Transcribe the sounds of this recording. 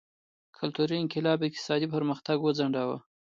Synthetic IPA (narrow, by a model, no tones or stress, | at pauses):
kʰʊlt̪uɾiɪŋkɪlɑbɪk̚t̪ɪ̥sɑd̪ipəɾməxt̪aɡwəd͡zaɳɖawa̰